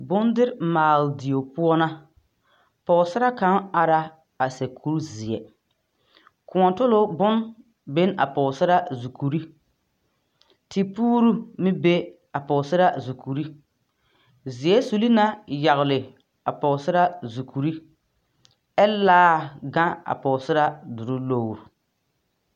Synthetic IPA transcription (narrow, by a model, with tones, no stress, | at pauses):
bʊ˦ndɪ˦ɾmaː˨ldi˨o˨pʊ˦ɔ˦na˦ | pɔ˨ʊ˨sɪ˦ɾa˦ka˨˦ŋa˨ɾa˦ | a˨sɛ˨kʰu˦ɾzɪ˨ɛ̰˨ | kʊ˨ɔ˨tʊ˦lʊ˦bʊ˦n | be˦na̰˨pɔ˨sɪ˦ɾa˦zu˨ku˨ɾi˦ | tɪ˨puː˦ɾu˦mɪ˦be˦ | a˨pɔ˨sɪ˦ɾa˦zu˨kʰu˨ɾi˦ | zɪ˨jɛ˦su˨li˦na˦ja˨ɣlɪ˨ | a˨pɔ˨sɪ˦ɾa˦zu˨kʰu˨ɾi˦ | ɛ˦laː˦ɡã˦a̰˨pɔ˨sɪ˦ɾa˦dʊ˨ɾʊ˦lo˦˨ɾu˨